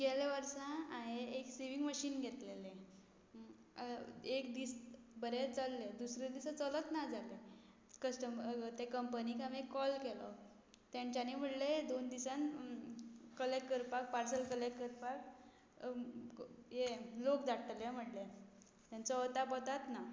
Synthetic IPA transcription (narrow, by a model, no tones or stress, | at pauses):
ɡeleʋəɾsãaɦeːksiʋiŋɡməɕiːnɡʱet̪lele | ekd̪iːsbəɾet͡səlːed̪usɾed̪isat͡sələt̪nad͡zʱale | kəsʈəmt̪ekəmpənikamekːɔlkelɔ | t̪jãɲt͡ɕjanim̤əʈled̪ond̪isan | kəlekkəɾpak̚paɾsəlkəlekːəɾpak̚ | ɦelokd͡z̪aʈʰljem̤əʈle | t̪jãnt͡sɔət̪apət̪at̪na